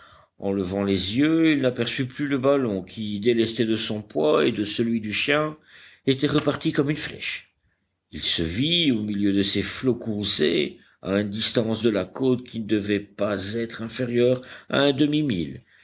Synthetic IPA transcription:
ɑ̃ləvɑ̃lezjøilnapɛʁsyplyləbalɔ̃kʲʰid̪elɛst̪ɛd̪əsɔ̃pwaḛd̪əsəlɥid̪yʃjɛ̃et̪ɛʁəpaʁt̪ikɔmynflɛ̰ʃ | ilsəviomiljød̪əseflokuʁzḛ | a̰ynd̪ist̪ɑ̃sd̪əlakot̪kʲinəd̪əvɛpazɛt̪χɛ̃feʁjœːʁa̰ɛ̃d̪əmimil

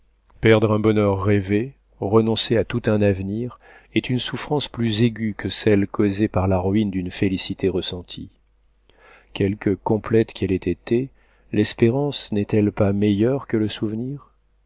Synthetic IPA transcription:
pɛʁd̪ʁɛ̃bɔnœʁːeve | ʁənɔ̃seat̪ut̪ɛ̃navniʁ | ɛt̪ynsufχɑ̃splyzeɡʲykʰəsɛlkozepaʁlaʁuind̪ynfelisit̪eʁəsɑ̃t̪ʰḭ | kʲɛlkəkɔ̃plɛt̪kʲɛlɛt̪et̪e | lɛspeʁɑ̃snɛt̪ɛlpamejœʁkələsuvniʁ

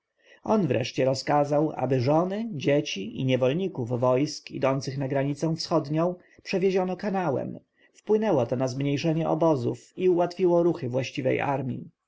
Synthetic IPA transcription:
ʔɔnvɾʔɛ̰ʂt͡ɕɛɾɔskazawa̰bɘʐɔnɘd͡ʑet͡ɕiʔiɲɛvɔlɲikuvːɔjskḭd̪ɔnt̪sɘxnaɡɾaɲit̪sɛw̃fsxɔd̪ɲɔ̃w̃ | pʂɛvʲjeʑɔnɔkanawɛ̰m | fpwɘnɛwɔt̪ɔnazmɲejʂɛɲɛʔɔ̰bɔzufiuwat̪fʲiwɔɾuxɘvwaɕt͡ɕivɛ̰jʔa̰ɾmʲḭ

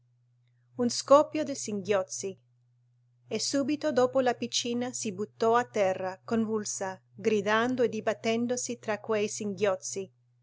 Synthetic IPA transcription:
unskɔpjod̪esiŋɡjɔt̪si | esubit̪od̪oːpolapit͡ʃiːnasibut̪ːɔat̪ːɛrːakonvulsa | ɡɾid̪and̪oed̪ibat̪ːɛnd̪osit̪ɾakwejsiŋɡjɔt̪si

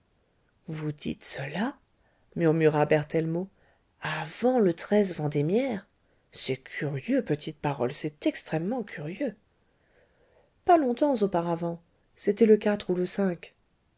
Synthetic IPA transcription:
vud̪ḭt̪səla | myʁmyʁabɛʁt̪ɛlmo | avɑ̃lət̪χɛzvɑ̃d̪emjɛʁ | sɛkʲʰyʁjøpət̪ʰit̪̚paʁɔlsɛt̪ɛkst̪χɛmːɑ̃kʰʲyʁjø | palɔ̃t̪ɑ̃zopaʁavɑ̃ | set̪ɛləkat̪χuləsɛ̃k

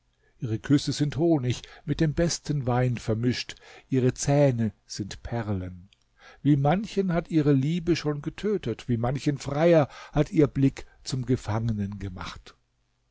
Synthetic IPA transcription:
ʔʔiːʁ̞əkʰʏsəzɪnthoːnɪçmɪt̚d̥eːmbɛstənvaɪnfɛɐmɪʃtʔiːʁət͡sɛːnəz̥ɪntpʰɛʁlən | viːmançənhatʔiːʁəliːbəʃoːnɡətʰøːtətv̥iːmançənfʁ̥aɪɐhatʔiːɐblɪk | t͡sʊmɡəfaŋənənɡəma̰χt

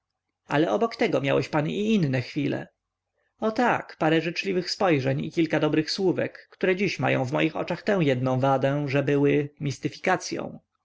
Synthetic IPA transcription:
a̰lɛʔɔbɔkt̪ɛɡɔmʲja̰wɛɕpaniinːɛxfʲilɛ̰ | ɔt̪akpaɾɛʐɘt͡ʂlʲivɘxspɔjʐɛɲḭkʲilkad̪ɔbɾɘxswuvɛ̰kːt̪uɾɛd͡ʑiɕma̰jɔ̰̃w̃vmɔ̰jixɔ̰t͡ʂaxt̪ɛ̃w̃jɛd̪̚nɔ̃w̃vad̪ɛ̃ʐɛbɘwɘmʲist̪ɘfʲi̥kat̪sʲjɔ̰̃w̃

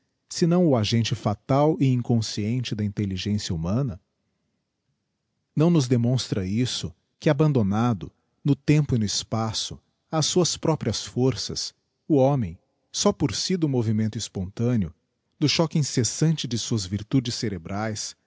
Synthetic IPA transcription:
sɪnɐ̃w̃ʊaʒẽnt͡ʃɪfat̪awɪĩŋkõsiẽnt͡ʃɪd̪ɐĩnt̪eliʒẽsjɐumɐ̃nɐ | nɐ̃w̃nʊzd̪emõst̪ɾɐisʊ | kɪabɐ̃nd̪onad̪ʊ̰ | nʊt̪ẽmpʊɪnʊɪspasʊ | asːuɐspɾɔpɾiɐsfoɾsɐ̰s | ʊõmẽj̃ | sɔpoɾsid̪ʊmovimẽnt̪ʊispõnt̪ɐ̃nɪʊ | d̪ʊʃɔkɪĩsesɐ̃nt͡ʃɪd͡ʒɪsuɐzviɾt̪ud͡ʒɪsːeɾebɾʔajs

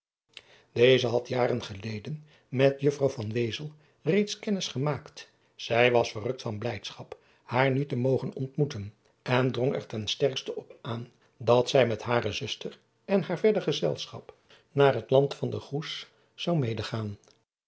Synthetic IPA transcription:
d̥ejzəɦɑtjaːrənχəlejdən | mɛtjɵfrɑwfɑnʋejzəlˠ | rejtskɛnɪsχəmaːkt | sɛjʋɑsfərɵk̚tfɑnblɛjtsχɑp | haːɹnytəmowχənɔ̰ntmutən | ʔɛndrɔŋɛ̰ɹtɛnstɛɹkstəɔpʔaːn | dɑtsɛjmɛtɦaːɾəzɵstər | ɛnɦaːɹvɛɹdəχəzɛ̰lˠsχɑ̰p | naːrɦətlɑntfɑndəχus | sɑwmejdəχaːn

